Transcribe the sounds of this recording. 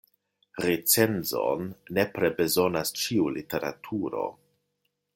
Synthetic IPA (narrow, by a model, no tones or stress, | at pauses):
ɾet͡se̞nzo̰nːe̞pɾe̞be̞zo̞nast͡ʃiulite̞ɾa̰tʰuɾo̞̰